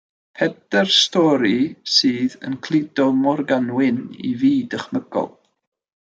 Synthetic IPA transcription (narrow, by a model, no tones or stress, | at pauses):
pʰɛdɛrstɔɾisiːðə̰nkʰl̥ˠɪdɔmɔrɡanwɪnḭviːdəχməɡ̥ɔ̰lˠ